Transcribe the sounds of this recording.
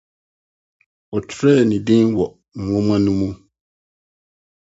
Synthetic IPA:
ɔ˨tʰɾɛ˦˨nɪ̃˨dĩ˦nwɔ˨ | ŋ̩˨wɔ̃˦mã˦nũ˦mũ˦

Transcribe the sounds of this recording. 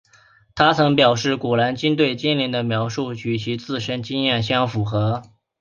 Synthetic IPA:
t̪ʰa˥t͡sʰɤ˧˥ŋpjɑ˨˩ʊʂɻ̩˥˩ku˨˩la˧˥nt͡ɕi˥nt̪we˥˩ɪt͡ɕi˥nli˧˥ŋd̪ə˧mjɑ˧˥ʊʂu˥˩t͡ɕʰy˨˩t͡ɕʰi˧˥t͡sɹ̩˥˩ʂə˥nt͡ɕi˥ŋjɛ˥˩nɕjɑ˥ŋfu˨˩xɤ˧˥

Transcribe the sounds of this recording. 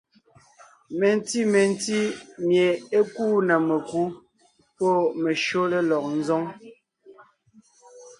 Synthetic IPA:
me˨n˦ti˦me˨n˦ti˦mje˨e˦kuː˦nɛ˨me˨ku˦ | pɔ˦˨me˨ʃo˦le˦lɔ˨k̚n̩˦zɔ˦ŋ

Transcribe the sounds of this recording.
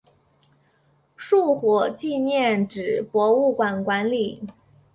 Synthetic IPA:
ʂu˥˩xwɔ˨˩t͡ɕi˥˧njɛ˥˩nʈ͡ʂɻ̩˨˩pwɔ˧˥u˥˩kwa˨˩nkwa˧˥nli˨˩

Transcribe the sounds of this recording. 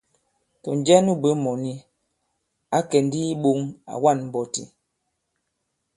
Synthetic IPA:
tɔ˨n˨d͡ʒɛ˦nu˦bə˨˦mɔ˨ni˦ | a˦kɛ˨n˦di˦ɓo˦ŋa̰˨wa˦˨nm̩˨bɔ˨tḭ˨

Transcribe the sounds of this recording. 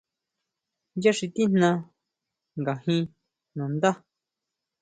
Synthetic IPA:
ja˦ʂi˧t̪i˦n̥nã˧ | ŋɡa˨hĩ˧ | nũ˨nd̪a˦

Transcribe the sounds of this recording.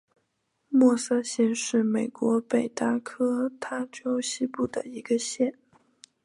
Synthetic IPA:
mwɔ˥˩sɤ˥ɕjɛ˥˧nʂɻ̩˥˩me˨˩ɪkwɔ˧˥pe˨˩ɪt̪a˥˩kʰɤ˥t̪ʰa˥ʈ͡ʂo˥ʊɕi˥pu˥˩d̪ə̰˩i˧˥ɡə˧ɕjɛ˥˩n

